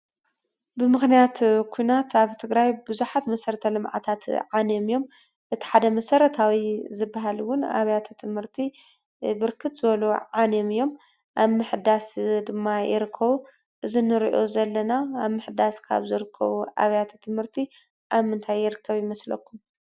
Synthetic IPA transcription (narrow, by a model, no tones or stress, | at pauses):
bɨmɨxnijat̪kʰujnat̪aβt̪ʰɨɡɾajbɨzuħat̪mɐsɐɾɐt̪ʰɐlɨmʕa̰t̪ʰat̪ʕane̞mijo̞m | ʔɨt̪ʰi̥ħad̪ɐmɐsɐɾɐt̪ʰawizɨbːaɦalwʊna̰βɐjat̪ʰt̪ʰɨmhɨɾt̪ʰi | bɨɾkʰɨt̪zɨβɐluʕanomɨjːo̞m | ʔaβmɨħd̪asd̪ɨmːajɪ̰ɾɨkʰːɐβu | ʔɨzinɨɾḭʔo̞zɐlːɐnaːβmɨħd̪askʰa̰βzɨɾɨkʰːɐ̰βuʔa̰βjat̪ʰt̪ʰɨmhɨɾt̪ʰi | ʔaβmɨnt̪ʰajːɪɾɨkʰːɐβjɪmɐslɐ̰kːum